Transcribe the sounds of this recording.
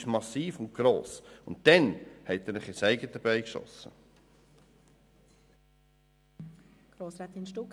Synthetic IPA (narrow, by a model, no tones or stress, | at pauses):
ʃmɑsːiːfʊnt̚ɡ̥ɾo̰ːsʊnt̚d̥ɛnhɛt̪ɛɾnɪχɪsæɪɡəd̪əbæɪkʃɔ̰sːə̰ | ɡ̥ɾoːsɾat̪inʃtuk